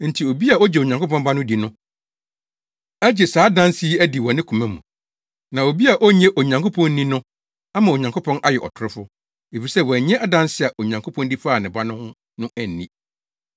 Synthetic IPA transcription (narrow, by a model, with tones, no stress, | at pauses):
n̩˨tʰi˨o˨bi˦a˨ɔ˦d͡ʑɛ˨o˨ɲã˨ŋko˦pʰɔ̃˦mba˦nʊ̃˦di˨nʊ̃˦ | æ˦d͡ʑɛ˨saː˨˦dã˦nsi˦æ˦di˨wɔ˨nɪ̃˦kʰũ˨mɛ̃˦mũ˨ | nã˨o˨bi˦a˨ʔɔ˦ɲɛ̃˦ʔo˨ɲã˨ŋkʰo˦pʰɔ̃˦n̩˦nĩ˦nʊ̃˦ | a˦mã˨o˨ɲã˨ŋkʰo˦pʰɔ̃˦nʔa˦jɛ˨ʔɔ̰˨tʰʊ˦ɾɪ˦fʊ˦ | e˨fi˨sɛ˦wɲɛ̃˦ʔa˦˨dã˦nsɪ˦a˨ʔo˨ɲã˨ŋkʰo˦pʰɔ̃˦ndi˦faː˨nɪ̃˨ba˦nʊ̃˦hʊ̃˦ | nʊ̃˦ʔæ˨n̩ː˨ĩ˦